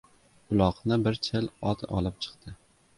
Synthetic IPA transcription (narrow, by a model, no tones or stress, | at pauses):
ʊlˠɒqnɪbɪɾt͡ʃʰɪlɒt̪ɒ̰lˠɪp̚t͡ʃʰɨ̥qt̪ʰɪ